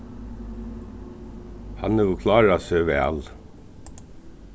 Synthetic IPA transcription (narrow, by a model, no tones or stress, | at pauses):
hɑnəuːkʰlɑːɹɑːsøːʋeɑ̰l